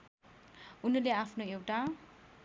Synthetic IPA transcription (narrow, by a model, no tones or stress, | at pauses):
unʌleapʰnoewʈa